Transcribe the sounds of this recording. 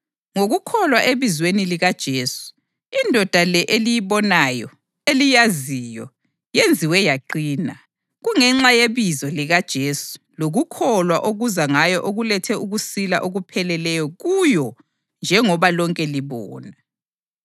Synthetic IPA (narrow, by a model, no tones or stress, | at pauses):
ŋoɣukʰɔlwaʔeβizweniliɣad̥ʒ̥ʱeːsu̥ | indʱɔd̥ʱalɛʔelijiβɔnajɔ | elijazijɔ | jend͡zʱiwɛjaǃiːna | ɣuŋɛŋ͡ǁajeβizɔliɣad̥ʒ̥ʱeːsu̥ | loɣukʰɔlwaʔoɣuzaŋajɔʔoɣulɛtʰɛuɣusilaʔoɣupʰɛlɛlɛjɔɣujɔ | nd͡ʒʱɛŋɔβalɔŋkʼɛliβɔ̰ːna